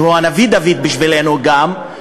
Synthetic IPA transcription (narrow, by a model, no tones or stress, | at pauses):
oanavid̪avid̪̚biʃvilenuɡam